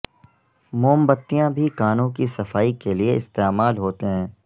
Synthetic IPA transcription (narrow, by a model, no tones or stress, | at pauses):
moːmbət̪ːijãbʱikaːnõkisɐfaːikelieɪst̪eːmaːlɦoːt̪eɦɛ̃ː